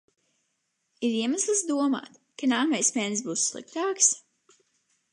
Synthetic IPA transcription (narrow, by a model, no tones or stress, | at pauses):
iɾiɛmaslˠɨsd̪uɔma̰ːt̪ | kanaːɾmajspʲɛns̬buːsːlˠḭk̚t̪aːks